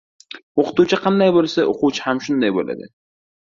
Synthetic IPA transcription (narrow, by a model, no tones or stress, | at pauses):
oqʰɨ̥t̪ut͡ʃʰɪqʰɑnd̪ajbolˠsaʔoqʊt͡ʃʰhamʃʊnd̪ajbola̰d̪ɪ̰